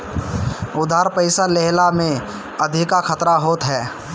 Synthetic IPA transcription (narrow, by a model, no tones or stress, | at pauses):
ʊd̪ʱaːɾpəɪsaleɦlamẽ | əd̪ʱɪkakʰət̪ɾaɦoːt̪ɦɛː